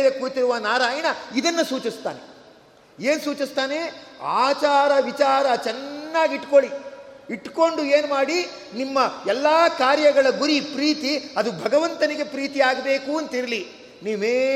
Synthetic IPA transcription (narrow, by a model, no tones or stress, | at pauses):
ʋekuːɾt̪iɾuʋɐnaːɾaːjɐɳɐid̪ɐnːɐsuːt͡ʃist̪a̰ːnḛ | e̞ːnsuːt͡ʃist̪aːne̞a̰ːt͡ʃaːɾɐʋit͡ʃaːɾɐt͡ʃɛnːaːɡiʈkoɭiiʈko̞ɳɖue̞ːnumaːɽi | nimːɐɛlːaːkaːɾjɐɡɐɭɐɡuɾipɾiːt̪iɐd̪ubʱɐɡɐʋɐnt̪ɐniɡe̞pɾiːt̪iaːɡɐbe̞ːkuɐnt̪ɐiɾɐli | niːmeː